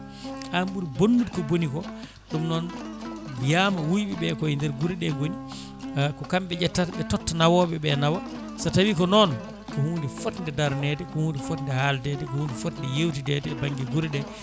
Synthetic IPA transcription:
ʔamɓuɾbonːutkɔbonikɔ | ɗumnɔnbijamawujɓɛɓɛkɔindɛɾɡuɾɛɗɛɡoni | kɔkamɓɛɟɛtːataɓɛtɔtːanawɔɓɛɓɛnawa | satawikɔnɔn | kɔhuːndifɔtndɛdaɾnɛdɛkɔhuːndifɔtndɛhaldɛdɛkɔhuːndifɔtndɛjewtidɛdɛbaŋɡɛɡuɾɗɛ

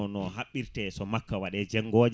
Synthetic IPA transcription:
ɔnɔɦaɓːiɾtɛsɔmakːawaɗɛd͡ʒɛŋːɡɔːd͡ʒ

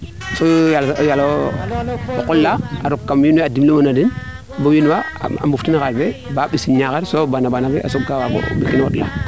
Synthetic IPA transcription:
sojaljalo | okulːaaɾukːamjinweadimlumanadin | bowinwaa̰mbuftinakaɾbebaɓisiɲakeɾsobanabanabeʔa̰soɡawako̰bikino̰dla̰

